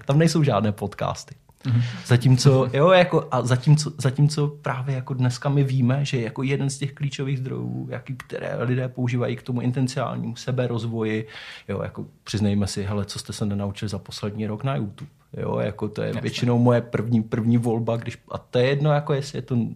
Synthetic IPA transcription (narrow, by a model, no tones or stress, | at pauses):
t̪amnɛjso̞wʒaːdnɛːpo̞t̪ka̰ːst̪ɪ̥ | zacimt͡so̞jo̞jakoʔazacimt͡so̞zacimt͡so̞pɾaːvjɛjakodnɛskamɪviːmɛʒɛjɛjakojɛdɛnscɛxkliːt͡ʃo̞viːɣzd̪ɾo̞̰jṵːja̰kɪkt̪ɛ̰ɾɛ̰ːlɪdɛːpo̞uʒiːvajikt̪omuʔɪ̰nt̪ɛnt͡sɪa̰ːlɲḭːmusɛbɛɾʔozvo̞jɪjo̞̰ːja̰kopr̥ɪznajmɛsɪɦɛlɛt͡sost̪ɛsɛnɛnaut͡ʃɪlɪzapo̞slɛdɲiːɾo̞knajut̪up | jo̰ja̰kot̪o̰jɛ̰vjɛt͡ʃɪnowmo̞jɛpr̩vɲiːpr̩vɲiːvo̞lbaɡdɪʃʔa̰t̪ojɛjɛdno̞jakojɛsɪjɛt̪o̞